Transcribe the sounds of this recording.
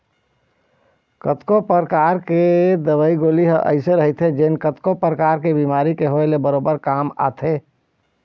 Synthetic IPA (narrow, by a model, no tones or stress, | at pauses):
kət̪kopəɾəkaːɾked̪əʋəiɡoːliɦə̃ʔə̰ɪseɾəɦit̪ʰed͡ʒeːnkət̪kopɾəkaːɾkebiːmaːɾikeɦoelebəɾoːbəɾkaːma̰ːt̪ʰeː